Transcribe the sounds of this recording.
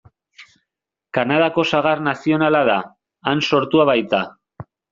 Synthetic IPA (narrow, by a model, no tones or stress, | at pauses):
kanað̞ako̞saɣ̞arnasio̞nalaðaː | nso̞ɾt̪uaβajt̪a